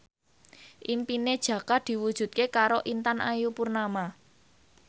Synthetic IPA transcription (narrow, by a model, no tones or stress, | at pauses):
ʔimpined̥ʒ̥ä̤kad̪̥i̤wud̥ʒ̥ṳt̪̚kekaɾoʔint̪anʔajupurnama